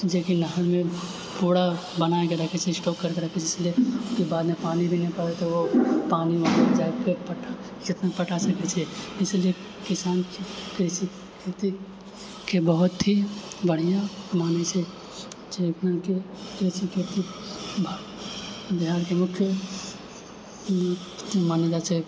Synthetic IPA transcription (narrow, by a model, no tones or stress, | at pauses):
d͡ʒekinəɦəɾmẽ | puːɽa | bɐnaːekeɾɐkʰet͡ʃʰeɪsʈɔːkːɐɾkeɾɐkʰet͡ʃʰɪslieskebaːd̪mẽpaːnibʱinɐɦĩpɐɽet̪oʋopaːniʋənad͡ʒaːepepɐʈa | d͡ʒɪt̪napɐʈasɐket͡ʃʰɛɪslie | kɪsaːnkikɾɪsi | kʰeːt̪i | kebəɦʊt̪ʰːibəɽ̤ijãmaːnet͡ʃʰe | t͡ʃeknake | kɾɪsikʰet̪ibʱ | d̪ʱijaːɾkemʊkʰjə | maned̪at͡ʃe